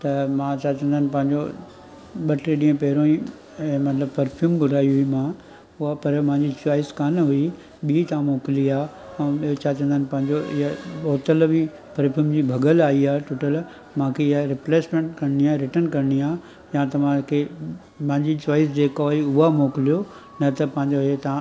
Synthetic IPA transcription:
t̪ɐmãt͡ɕat͡ɕə̃nd̪ʱənɪ̆pɐ̃ɦɪ̃ɲd͡ʑo | ɓɐʈeɗĩːə̃pɐɦɪɾõĩ | mɐt̪ləbpɐɾfʰjuːmɡʱʊɽʱaːiɦʊimã | ʊɦapɐɾm̃ɪ̃ɲd͡ʑit͡ɕaːɪskaːnɦʊi | ɓit̪ãmoːkɪliaː | ɛ̃ːot͡ɕʰat͡ɕɐ̃nd̪anɪ̆pɐ̃ɦɪ̃ɲd͡ʑoʔɪ̰ɦaɓɔːt̪əlʋi | pɐɾpʰjuːmd͡ʑiːbʱɐɡəlaːiaːʈoːʈəl | mãkʰeɪɦaɾɪpleːsmẽɳʈkɐɽniaːɾɪʈənkɐɾɪɽiaː | jãt̪ɐʋ̤ãkʰe | mɐ̃ɦɪ̃ɲd͡ʑit͡ɕaːɪs̬d͡ʑeːkoɦiʊɦamoːkɪlijo | nɐt̪ɐpɐ̃ɦɪ̃ɲd͡ʑoɦet̪ɐã

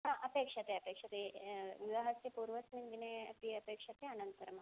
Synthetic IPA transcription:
ɦãʔɐpekʂɐt̪eɐpekʂɐt̪eʋuɡ̪ɐɦɐsipuːɾʋɐsnind̪ineɐp̪iɐpeːkʂɐt̪eɐnɐnt̪ɐɾɐmɐ

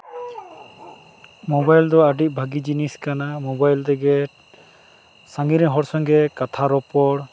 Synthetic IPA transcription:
mɔbajld̪ɔəɖiʔ̚ˀbʱaɡid͡ʒiniskanamɔbajlt̪ɛɡɛ | saŋɡiɾɛɦɔɾsɔŋɡɛkat̪ʰaɾɔpɔɽ

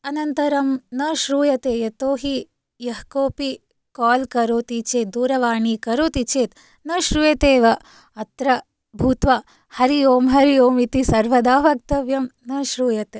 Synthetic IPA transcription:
ɐnɐnt̪ɐɾɐmnɐʃɾuːjɐt̪eːjɐt̪oːɦi | jɐɦkoːpi | kaːlkɐɾoːt̪it͡ʃeːt̪̚d̪uːɾɐʋaːɳikɐɾoːt̪it͡ʃeːt̪ | nɐʃɾujɐt̪eːʋɐ | ɐt̪ɾɐ | bʱuːt̪ʋa | hɐɾijoːmɦɐɾioːmit̪isɐɾʋɐd̪aːʋɐk̚t̪ɐʋjɐmnɐʃɾuːjɐt̪eː

